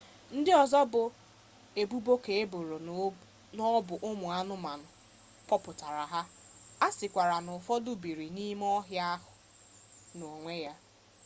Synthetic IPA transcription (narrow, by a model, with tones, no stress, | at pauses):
n̩˦dɪ˦ɔ˨zɔ˦bʊ˨ | e˨bu˦bo˦ke˨e˦bo˨ɾo˨ | nɔ˦bʊ˨ʔʊ˦mʊ˨a˦nʊ˦ma˨nʊ˨ | kɔ˦pʊ˨ta˨ɾa˨ɦa˦ | a˦sɪ˨kʷa˨ɾa˨nʊ˨fɔ˦dʊ˦bi˨ɾi˨ni˦m˦ɔ˦ɦja˦ɦʊ˨ | no˨ŋʷe˦ja˦